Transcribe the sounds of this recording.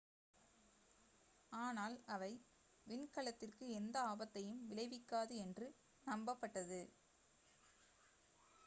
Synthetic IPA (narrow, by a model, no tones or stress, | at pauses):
aːnaːlɐʋɐɪ | ʋɪnkɐɭɐt̪ːɪrkɯɛnd̪ɐaːbɐt̪ːɐjɯmʋɪɭɐɪʋɪkːaːðɯɛndrɯ | nɐmbɐpːɐʈːɐðɯ